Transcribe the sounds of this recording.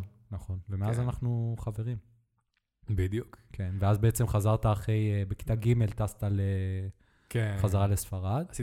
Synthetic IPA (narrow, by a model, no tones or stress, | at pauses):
naχo̞nvemeazanaχnuχave̞ʁim | bid̪jukkʰenveazbeet͡se̞mχazaʁt̪aːχe̞jbeki̥t̪aɡime̞lt̪ast̪ale | keχazaʁalesfaʁad̪